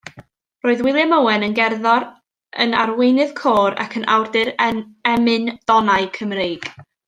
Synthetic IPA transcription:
roːɨðwɪlˠjaməwɛnənɡɛrðɔɾ | ənarwejnɨðkʰoːɾa̰kʰənʔa̰wrdɨɾɛmɨnd̥ɔnaɨkʰəmrejɡ̥

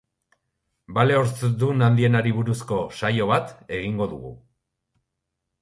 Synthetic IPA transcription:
bale̞oɾt͡s̪d̪unand̪ie̞naɾiβuɾusko̞sajo̞βat̪e̞ɣ̞iŋɡo̞ðṵɣṵ

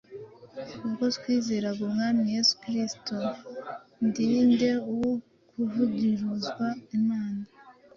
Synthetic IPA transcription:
kukotkwiːze̞ːɾaɡubŋaːmije̞su̥kɾisto | ndiːnde̞uwo | kʰuvuɡiɾuzɡwaimaːna

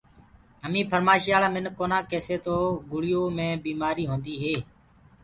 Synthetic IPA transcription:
ɦəmĩːpʰəɾmaːʃijaːlaːmɪnkoːnãːkeːseːt̪oːɡʊɭɪjoːmẽːbiːmaːɾiːɦõːnd̪iːɦeː

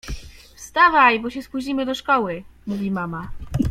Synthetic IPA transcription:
fst̪avajbɔɕɛspuʑd͡ʑimɘd̪ɔʂkɔwɘmuvʲimama

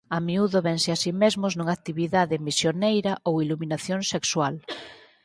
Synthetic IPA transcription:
amiuðoβɛnsɪasimezmʊznuŋakt̪iβiðaðɪmisjonejɾɐʔowiluminaθjoŋsekswal

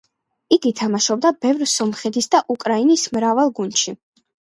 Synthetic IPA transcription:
iɡit̪ʰamaʃɔb̚d̪abɛvɾsɔmχɛt̪ʰisd̪aʔukʼɾainismɾavalˠɡund̪ʃi

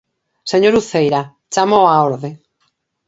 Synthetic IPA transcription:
seɲoɾuθejɾa | t͡ʃamoaoɾðe

